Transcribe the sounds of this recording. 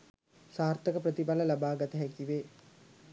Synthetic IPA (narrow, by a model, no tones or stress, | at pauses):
saːrt̪əkəprət̪ipaləlabaːɡat̪əɦækiʋeː